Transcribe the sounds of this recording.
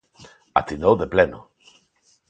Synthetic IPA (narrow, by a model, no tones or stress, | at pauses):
a̰t̪inowðepleno̰